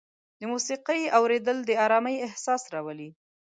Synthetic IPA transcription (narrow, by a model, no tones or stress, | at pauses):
d̪əmusiqəjawɾed̪əld̪əɑɾɑməjɪhsɑsɾɑwali